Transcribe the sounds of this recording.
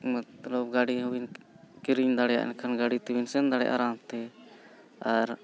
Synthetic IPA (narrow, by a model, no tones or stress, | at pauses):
mt̪lɔp̚ɡaɽiɦuwin | kiɾiɲd̪aɽɛja̰ʔɛ̰nkʰanɡaɽit̪iwinsɛnd̪aɽɛ̰jaʔa̰ɾamt̪ɛ | aɾ